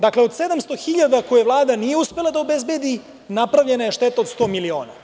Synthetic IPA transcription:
d̪akle̞o̞d̪se̞d̪amst̪o̞xiʎad̪akojeʋlˠaːd̪anijeuspe̞lˠad̪ao̞bezbe̞d̪i | napɾavʎe̞najeʃt̪e̞t̪aod̪st̪o̞ːmilio̞̰ːna̰

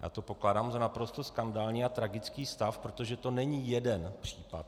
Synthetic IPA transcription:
ja̰ːt̪o̞po̞klaːdaːmzanapɾo̞st̪o̞skandaːlɲiːat̪ɾaɡɪt͡skiːst̪afpɾo̞t̪oʒɛt̪o̞nɛɲiːjɛdɛnpr̝̥iːpa̰t̪̚

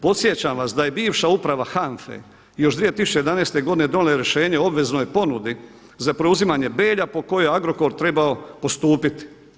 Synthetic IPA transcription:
po̞t̪sʲje̞t͡ɕamʋasd̪aje̞biːʋʃaupɾaʋaxaɱfḛ | jo̞ʃd̪ʋije̞t̪isu̥t͡ʃt͡ɕejd̪anest̪eɡo̞d̪ined̪oneleɾjeʃe̞ːɲe̞o̞bʋe̞znojepo̞nud̪i | zapɾeuzimaɲe̞be̞ːʎapo̞ko̞jojeaɡɾo̞ko̞ɾt̪ɾe̞baopo̞st̪uːpit̪i̥

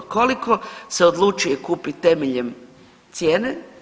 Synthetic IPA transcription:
ko̞likʰo̞se̞od̪lˠut͡ʃuje̞kuːpit̪e̞meʎe̞m | t̪sjeːne

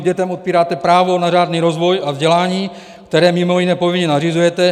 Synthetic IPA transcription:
ɟɛt̪ɛmʔo̞t̪̚piːɾaːt̪ɛpɾaːvo̞nar̝aːdniːɾo̞zvo̞javzɟɛlaːɲiː | kt̪ɛɾɛːmɪmo̞jɪnɛːpovɪɲɛnarizujɛt̪ɛ

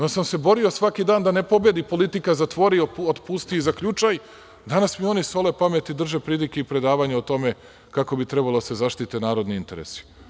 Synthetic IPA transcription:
nosamse̞bo̞ɾio̞sʋakid̪aːnd̪ane̞po̞bje̞d̪ipo̞lit̪ikazat̪ʋo̞ɾiood̪pust̪izakʎut͡ʃaj | d̪anasmio̞niso̞le̞pamet̪id̪r̩ʒe̞pɾiːlikeipɾe̞d̪aːʋaɲeot̪o̞me̞ | kako̞bit̪ɾebalod̪asezaʃt̪it̪enaːɾo̞d̪niint̪e̞ɾḛsi̥

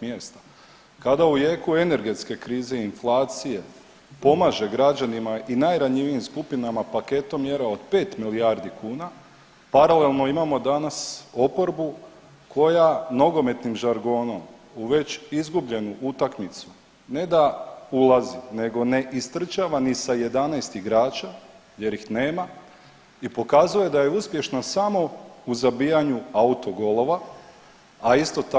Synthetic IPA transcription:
mjest̪ḁ | kad̪auje̞ːkue̞ne̞ɾɡe̞t̪ske̞kɾiːze̞inflˠaːt̪sije̞ | po̞maʒe̞ɡɾad͡ʒanimaʔinajɾaɲiʋiimskupinamapake̞t̪o̞mje̞ɾao̞d̪pe̞ːt̪milijaɾd̪ikuːna | paɾale̞lˠno̞imamo̞d̪anaso̞po̞ɾbu | kʰo̞jano̞ɡo̞me̞t̪nimʒaɾɡo̞ːno̞m | uʋe̞t͡ɕizɡubʎe̞nuʔut̪akmit̪su̥ | ne̞d̪aulˠazine̞ɡo̞ne̞ʔist̪r̩t͡ʃaʋanisaje̞d̪anɛjst̪iɡɾaːt͡ʃa | je̞ɾixne̞ːma | ipo̞kazuje̞d̪aje̞uspje̞ʃnasamo̞uzabijaɲuaut̪o̞ɡolˠo̞ʋa | aist̪o̞t̪a

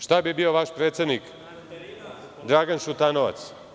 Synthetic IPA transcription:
ʃt̪abibioʋaʃpɾet̪sjed̪nik | d̪ɾaːɡanʃut̪anoʋa̰t̪s

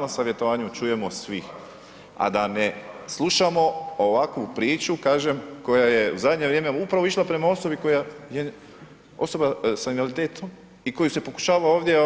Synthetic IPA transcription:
nosaʋje̞t̪oʋaːɲut͡ʃuje̞mosʋix | a̰d̪aneslˠuʃamo̞oʋakʋupɾiːt͡ʃukaːʒemko̞jaje̞uzad̪ɲe̞ʋɾjeːmeupɾaʋoiʃlapɾe̞mao̞so̞biko̞jaje | o̞so̞basainalit̪eːt̪ʰom | iko̞juse̞po̞ku̥ʃaːʋaoːʋd̪je

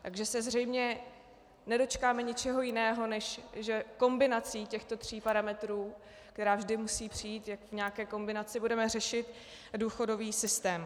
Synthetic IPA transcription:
t̪aɡʒɛsɛzr̝ɛjmɲɛ | nɛdo̞t͡ʃkaːmɛɲɪt͡ʃɛɦo̞jɪnɛːɦo̞nɛʃʒɛko̞mbɪnat͡siːcɛxt̪o̞t̪r̝̥iːpaɾamɛt̪ɾuː | k̚t̪ɛɾaːvʒdɪmusiːpr̝̥ɪjiːt̪jakvɲɛakɛːko̞mbɪnat͡sɪbudɛmɛr̝ɛʃɪt̪ | duːxo̞do̞viːsɪst̪ɛːm

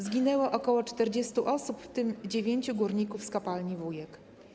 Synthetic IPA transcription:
zɡʲinɛwɔʔɔkɔwɔt͡ʂt̪ɛɾd͡ʑest̪uʔɔsupft̪ɘmd͡ʑevʲjeɲt͡ɕuɡuɾɲikufskapalɲivujɛk

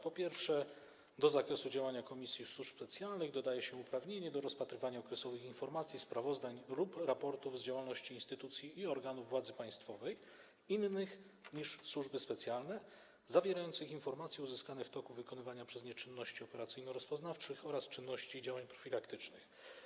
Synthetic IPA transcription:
pɔpʲjɛɾfʂɛ | d̪ɔzakɾɛsud͡ʑawaɲakɔmʲisʲjifswuʂsɛt̪sʲjalnɘɣd̪ɔd̪ajɛɕɛupɾavɲeɲɛd̪ɔɾɔspat̪ɾɘvaɲaɔkɾɛsɔvɘxinfɔɾmat̪sʲjispɾavɔzd̪aɲlupɾapɔɾt̪uvzd͡ʑawalnɔɕt͡ɕiːnst̪ɘt̪ut̪sʲjiːɔɾɡanuvːwad̪zɘpaj̃st̪fɔvɛj | inːɘx | ɲiʂswuʐbɘspɛt̪sʲjalnɛ | zavʲjeɾajɔnt̪sɘxinfɔɾmat̪sʲjɛuzɘskanɛft̪ɔkuvɘkɔnɘvaɲapʂɛzɲɛt͡ʂɘnːɔɕt͡ɕiɔpɛɾat̪sɘjnɔɾɔspɔznaft͡ʂɘxɔɾast͡ʂɘnːɔɕt͡ɕid͡ʑawaɲpɾɔ̥fʲilakt̪ɘt͡ʂnɘx

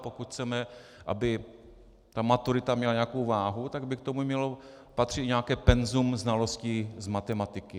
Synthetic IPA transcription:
pokut̪xt͡sɛmɛʔa̰bɪ | t̪amat̪uɾɪt̪amɲɛlaɲɛakowvaːɦut̪aɡ̚bɪkt̪o̞mumɲɛlo | pat̪r̝̥ɪt̪ɲɛakɛːpɛnzumznalo̞scɪzmat̪ɛmat̪ɪkɪ

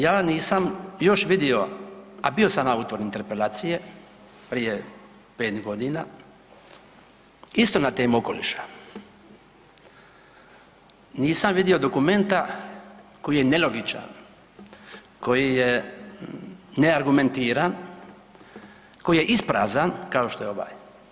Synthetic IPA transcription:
jaːniːsamjo̞ʃʋid̪io̞abio̞samaut̪o̞ɾint̪e̞ɾpe̞laːt̪sije | pɾije̞ | peːt̪ɡo̞d̪ina | ist̪o̞nat̪e̞ːmuo̞ko̞lḭʃḁ | niːsamʋid̪io̞d̪o̞kume̞nt̪a | ko̞jijenelo̞ɡit͡ʃa̰n | ko̞jije | neaɾɡume̞nt̪iːɾan | ko̞jije̞ʔispɾaːzankao̞ʃt̪o̞eo̞ʋa̰ːj

